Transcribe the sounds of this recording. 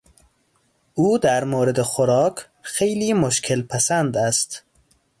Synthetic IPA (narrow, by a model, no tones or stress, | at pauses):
ʔuːd̪æɾmoːɾed̪exoɾɒːkʰ | xejliːmoʃkʰelpʰæsænd̪æst̪